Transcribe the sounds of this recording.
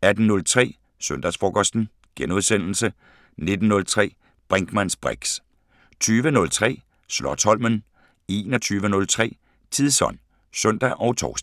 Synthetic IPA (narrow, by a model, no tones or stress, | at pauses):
æd̥n̩nɔ̽lt͡sʰʁɛ̰ː | sœnd̥æsfɒːkʰɒsd̥n̩ | ɡ̥enuð̞ˠsen̰l̩sə | ne̝d̥n̩ːɔ̽lt͡sʰʁɛ̰ː | b̥ʁɛŋɡ̥mæn̰sb̥ʁɛɡ̥s | t͡sʰyːʋənɔ̽lt͡sʰʁɛ̰ː | slɒt͡sʰɒ̽lmən | e̝ːnɒt͡sʰyːʋənɔ̽lt͡sʰʁɛ̰ː | t͡sʰiðˠsɒn̰ | sœn̰d̥æʔɒ̽ʊt͡sʰɒ̰ːsd̥